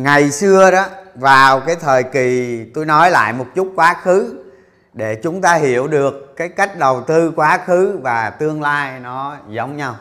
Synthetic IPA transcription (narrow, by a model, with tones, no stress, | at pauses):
ŋa˨˩jsɨ˧əɗɔ˨˦vaː˨˩wkaː˨˦jt̪ʰəː˨˩jki˨˩t̪o˧jnɔ˨˦jla̰ː˧˨jmo˨˩t̚t͡ɕu˦˥t̚kwaː˨˦xɨ˨˦ | ɗe˧˩t͡ɕʊ˨˦ŋ͡mt̪aː˧ɦḭ˧˩˨əwɗɨ˨˩əkːaː˨˦jka˦˥jk̟̚ɗə˨˩wt̪ɨ˧kwaː˨˦xɨ˨˦vaː˨˩t̪ɨ˧əŋlaː˧jnɔ˨˦zə˨˦wŋ͡mɲa˧w